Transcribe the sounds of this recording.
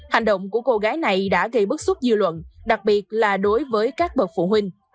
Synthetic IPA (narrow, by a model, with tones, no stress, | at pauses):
ha˨˩ŋ̟ɗə̰˧˨wŋ͡mku˧˩əko˧ɣaː˨˦jna˨˩jɗa̰ː˧˥ɣə˧jɓɨ˦˥t̚su˦˥t̚zɨ˧lwə̰˧˨nɗa˨˩k̚ɓi˨˩ət̚laː˨˩ɗo˨˦jvəː˨˦jkaː˦˥k̚ɓə˨˩t̚fṵ˧˨hwï˧ŋ̟